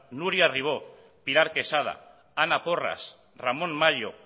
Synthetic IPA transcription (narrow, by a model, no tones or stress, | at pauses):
nuɾiariβ̞o | piɾaɾkesað̞a̰ | anapora̰s | ramõ̞nmaʎo